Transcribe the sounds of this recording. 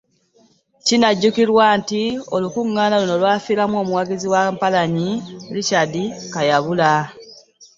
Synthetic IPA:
cinaɟːukiɾwaːntio̞lukuŋːaːnalunolwaːfiːɾamuo̞ːmuwaɡiziwampalaɲilicadikajaβula

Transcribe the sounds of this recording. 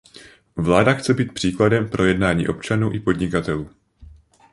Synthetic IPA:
vlaːdaxt͡sɛbiːt̪̚pr̥iːkladɛmpɾʔo̞jɛdnaːɲḭːʔo̞pt͡ʃanuːʔɪpo̞dɲɪkat̪ɛluː

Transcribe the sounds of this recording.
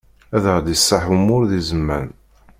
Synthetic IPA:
æðəʁd̪əsːaħumʊɾðizəmːæn

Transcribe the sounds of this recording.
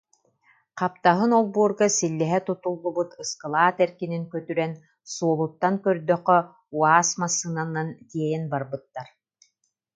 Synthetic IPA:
qap̚t̪aɦɯnɔlˠbuɔɾɡasilːɛɦɛt̪ut̪ulˠːubut̪ɯskɯlˠaːt̪ɛɾkiniŋkœt̪yɾɛn | suɔlˠut̪ːaŋkœɾd̪œqːœ | uaːsmasːɯnanːant̪iɛjɛnbaɾbɯt̪ːaɾ

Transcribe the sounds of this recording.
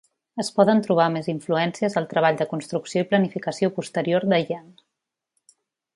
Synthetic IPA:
əspɔðənt̪ɾuβ̞ameziɱfluɛnsiəzəlˠt̪ɾəβ̞aʎd̪əkunst̪ɾuksioiplənifikəsiopust̪əɾioɾd̪əʒan

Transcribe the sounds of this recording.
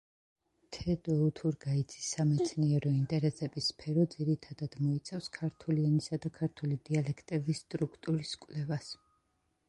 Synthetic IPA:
t̪ʰɛd̪ɔut̪ʰuɾɡaid̪zʰisːamɛt̪sʰniɛɾɔint̪ʼɛɾɛsɛbispʰɛɾɔd̪ziɾit̪ʰad̪ad̪̥mɔit̪sʼɛfskʰaɾt̪ʰulianisad̪akʰaɾt̪ʰulid̪ialɛkʰt̪ʼɛbisːt̪ʼɾukʰt̪ʼuɾiskʼwlɛvas

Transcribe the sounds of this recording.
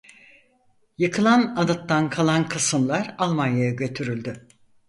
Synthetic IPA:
jɯkʰɯlˠanad̪at̪ːankʰalˠankʰɯsɯmlˠaɾalˠmanjajaɟø̞t̪ʰyɾylʲd̪y

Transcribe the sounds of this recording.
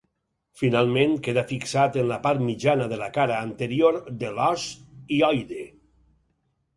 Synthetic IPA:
finalˠmẽnkeðafiksat̪enlapaɾt̪mid͡ʒanəðəlakaɾaːnt̪əɾioɾd̪elɔsiɔjðe

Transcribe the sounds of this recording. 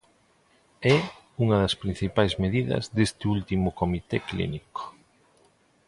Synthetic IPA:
ɛ | uŋɐðɐspɾĩn̟θipajzmeðiðɐ̰zðest̪ɪult̪imʊkomit̪ɛklḭniko̥

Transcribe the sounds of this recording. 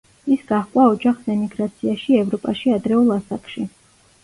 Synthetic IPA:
isɡaχkʼwaɔd͡ʒaχsɛmiɡɾat̪sʰiaʃiɛvɾɔpʼaʃiad̪ɾɛulˠasakʰʼʃi

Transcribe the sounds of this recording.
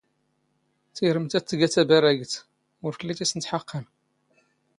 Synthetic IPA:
θiɾəmt̪æt̪ːəɡæt̪æbæɾæɡət̪ | ʊɾfəlːit̪isənt̪ħəqːən

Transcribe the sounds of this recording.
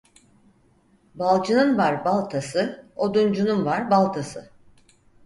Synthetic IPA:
balˠd͡ʒɯnɯnvaɾbalˠt̪ʰasɯod̪und͡ʒununvaɾbalˠt̪ʰasɯ

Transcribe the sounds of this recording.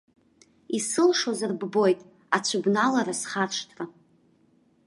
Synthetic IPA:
isɨlʂozarbbo̞jtʼ | at͡ɕʷʰʊbnalaɾasχaʂtʰra

